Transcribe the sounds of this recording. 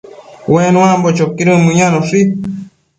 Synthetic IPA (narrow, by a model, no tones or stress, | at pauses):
wenũãmbot͡ʃokiɾɨmɨ̃ɲãnõsi